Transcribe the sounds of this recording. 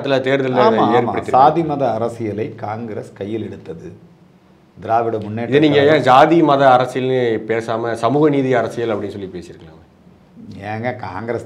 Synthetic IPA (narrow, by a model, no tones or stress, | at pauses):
t̪ːɪlɐt̪eːɾðɐlːɐɐðeːɾpɐɽɪːɾaːðimɐðɐɐɾɐsɪjɐlɐɪkaːŋɡɪɾɐskɐjːɪlɛɽɯt̪ːɐðɯ | d̪ɪɾaːʋɪɽɐmʊnːeːɪðɯniːŋɡɐjãːd͡ʒaːðimɐðɐɐɾɐsɪjɐlnɯpeːsaːmɐsɐmuːɣɐniːðiɐɾɐsɪjɐlɐpːɐɽɪnːɯsɔlːipeːsɪɾɯkːɐlãːɐ | ɛːŋɡɐkaːŋɡɾɐs